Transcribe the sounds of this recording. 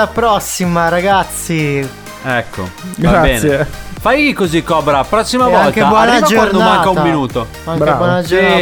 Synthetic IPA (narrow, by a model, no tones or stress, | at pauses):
apɾɔsːimaɾaɡat̪sːi | ɛkːo̰ɡaabɛːnefajikːozikːɔbɾapːɾɔsːimavɔalkeabwɔaniavakd͡ʒowaɾd̪omaŋtkaummːinuːt̪o | maŋɾeabwɔnad͡ʒoa